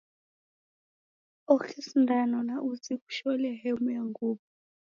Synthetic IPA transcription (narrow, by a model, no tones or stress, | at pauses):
ɔxʰisndanɔnaʔut͡sʼiku̥ʃɔlɛɦɛmujaŋɡuːbɔ